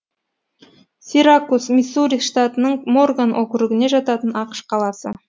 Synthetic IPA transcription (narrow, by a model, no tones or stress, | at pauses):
siɾakusmʲisuɾʲiʃt̪at̪ənəɴmo̞rɡanʔokʲʏɾɪɡʲɪneʒɑt̪ɑt̪ənɑqə̥ʃqʰɑlˠɑsə